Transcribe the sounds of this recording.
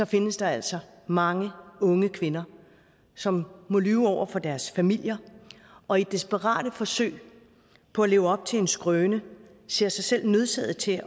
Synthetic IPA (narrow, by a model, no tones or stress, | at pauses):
sɒ̽fe̝nəsd̥ɑ̈æl̰sɒ̽ | mɑ̈ŋəɔ̽ŋəkʰʋe̝nɐ | sɒ̽mːo̽lyːʊɒʊ̰ɐfɒ̽d̥æɐsfæmil̰jɐ | ɒ̽id̥esb̥əʁɑ̰̈ːɾ̥əfɒ̽sø̰ːɪ̰ | pʰɒ̽æle̝ːʊɒ̽b̥̚t͡sʰe̝le̝nsɡ̥ʁœːnə | se̝ɐ̰sɑ̈ɪsel̰nøð̞ˠsɛð̰̩ˠt͡sʰe̝